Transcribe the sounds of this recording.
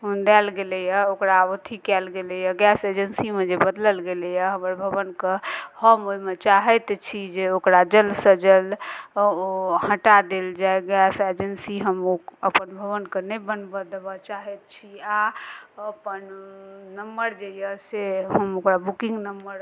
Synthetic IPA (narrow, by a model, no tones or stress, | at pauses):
ɦund̪ɛlɡelɛjaokɾabət̪ʰikɛlɡelɛjəɡɛsed͡ʒənsimed͡ʒebəd̪ləlɡeljaɦəməɾbʱəbənkehəmoimet͡ʃaɦɛt̪t͡ʃʰid͡ʒeokɾad͡ʒəlsəd͡ʒəl | ohə̃ʈad̪eld͡ʒaeɡɛsed͡ʒənsiɦəmoəpənbʱəβənkenebənbəd̪bət͡ʃaɦɛt̪̚t͡ʃʰiaəpənnəmbəɾd͡ʒejəseɦəmokɾabukĩŋɡnəmbəɾ